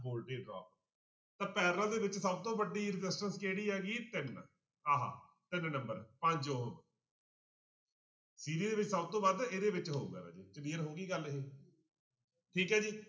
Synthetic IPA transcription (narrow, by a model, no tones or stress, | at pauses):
boːlʈeːɖɾɔ̰ːp | t̪ãːpɛːɾãːd̪eːʋɪt͡ʃsəb̚t̪õːbəɖiːɾɪzɪsʈənskeːɽiːɦɛːɡiːt̪ɪn | ɦaːɦã̰ː | t̪ɪnnəmbəɾpə̃ɲd͡ʒoːɦb | siːɾiːd̪eːʋɪt͡ʃsəbt̪õːbaːd̪eːd̪eːʋɪt͡ʃɦoːṵɡɛ̰ːʋɛ̰ːd͡ʒeːt͡ʃəniːəɾɦoːɡiːɡəlɦeː | ʈʰiːkɦɛːd͡ʒiː